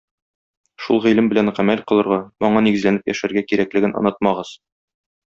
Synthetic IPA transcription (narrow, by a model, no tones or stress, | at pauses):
ʃulˠʁilɘmbɘ̆læɴʁæmælqɤ̆lˠɤ̆ɾʁɑmɒɴɑniɡɘ̆zlænɘpjæ̰ʃæɾɡækiɾæklɘ̆ɡɘnɒ̰̆nɑt̪̚mɑʁɤz̥